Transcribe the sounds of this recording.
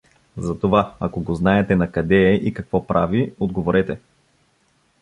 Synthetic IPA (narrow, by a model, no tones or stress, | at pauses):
zɐt̪ovaɐkoɡoznaɛt̪ɛnɐkɐd̪ɛɛʔikɐkvɔpɾʔaviod̪ɡovoɾɛt̪ɛ